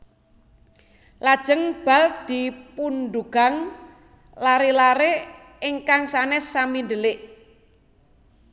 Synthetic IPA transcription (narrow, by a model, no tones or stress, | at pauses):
lad̥ʒ̥əŋb̥a̤ld̪̥ipunɖuɡ̥a̤ŋ | laɾelaɾeː | ŋkaŋsanɛsamindəlɪʔ